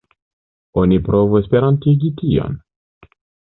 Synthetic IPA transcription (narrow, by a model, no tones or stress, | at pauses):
o̞nipɾo̞vue̞spe̞ɾantiɡitio̰n